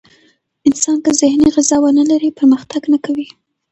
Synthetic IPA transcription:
ɪnsɑnkəzɪhniɣɪzɑwanalaɾipəɾməxt̪aɡnakawi

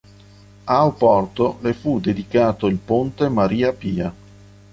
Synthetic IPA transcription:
aopɔrt̪olefud̪ed̪ikaːt̪oilpont̪emaɾiːapiːa

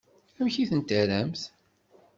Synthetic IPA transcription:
æmçiθənt̪əɾæmθ

